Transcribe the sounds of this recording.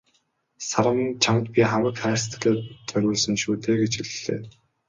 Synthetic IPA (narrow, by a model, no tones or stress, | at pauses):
saɾə̆mnt͡ɕʰamt̪pʲiχamə̆kχæːrst̪̆ʰɮeːt̪t͡sœɾʲʊːɮsə̆nʃuːt̪eːɡet͡ɕiɮɮḛː